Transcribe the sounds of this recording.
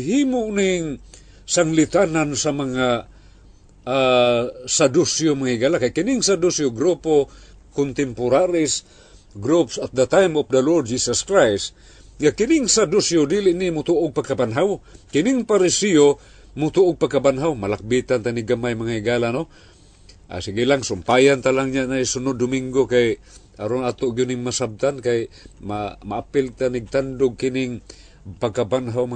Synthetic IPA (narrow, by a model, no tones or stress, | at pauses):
ɦimʊʔnɪŋ | saŋlɪt̪anansamɐŋa | a | sad̪usjomaŋaɪɡalakajkɪnɪŋsad̪usjoɡɾupokʊnt̪ɛmpʊɾaɾɪs | ɡɾupsɐt̪̚d̪ɐt̪ajmɔfd̪ɐlod̪̚d͡ʒisɐskɾajs | ŋakɪnɪŋsad̪usjod̪ilɪʔnɪmʊt̪uʔoɡ̚paɡkabanɦawkɪnɪŋpaɾɪsio | mʊt̪uʔoɡ̚paɡ̚kabanɦawmalak̚bit̪ant̪aniɡamajmaŋaɪɡalano | ʔa̰sɪɡilaŋsʊmpajant̪alaŋɲanajsʊnod̪ːʊmiŋɡokaj | ʔaɾonat̪oʔɡʊnɪŋmasab̚t̪ankajmamaʔapɪlt̪aniɡ̚t̪and̪ʊɡ̚kɪnɪŋ | paɡ̚kabanɦawm